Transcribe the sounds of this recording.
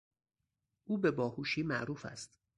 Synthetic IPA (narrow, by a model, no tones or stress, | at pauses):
ʔuːbe̞bɒːhuːʃiːmæʔɾuːfæ̰st̪